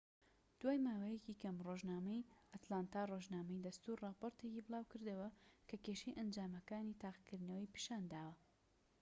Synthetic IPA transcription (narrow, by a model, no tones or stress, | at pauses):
d̪̥waːjmaːwɐjɛciːkʰɐmroʒnaːmɐjʔat̪laːnt̪aːroʒnaːmɐjd̪ɐst̪uɾrɑːpoɾt̪ecibɨlˠaːwkɨɾd̪ɐwɐkɐkeʃejʔɐnd͡ʒaːmɐkaːnit̪aːqkɨɾnɐwijpi̥ʃaːnd̪aːwɐ